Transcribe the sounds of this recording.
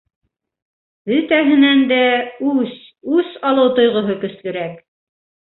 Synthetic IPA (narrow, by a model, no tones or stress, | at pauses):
ɵ̆t̪æɦɘ̆nænd̪æʉs | ʉsɑlˠɤwt̪ŏjʁŏɦɤkɵ̆slɵ̆ɾæk